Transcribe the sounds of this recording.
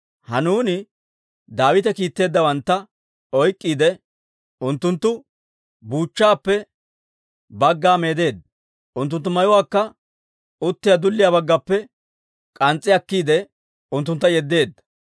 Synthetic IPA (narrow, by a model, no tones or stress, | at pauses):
hɐnuːnɪ | d̪aːwɪt̪ɛkiːt̪ːe̞ːd̪ːɐwɐnt̪ːɐ | ɔjkʼːiːd̪ɛ | ʊnt̪ːʊnt̪ːʊ | buːt͡ʃːaːpːɛ | bɐɡːaːme̞ːd̪e̞ːd̪ɐ | ʊnt̪ːʊnt̪ːʊmɐjʊwaːkːɐ | ʊt̪ːɪjad̪ʊlːɪjaːbɐɡːɐpːɛ | kʼɐnt͡sʼːɪɐkːiːd̪ɛ | ʊnt̪ːʊnt̪ːɐjɛd̪ːe̞ːd̪ːɐ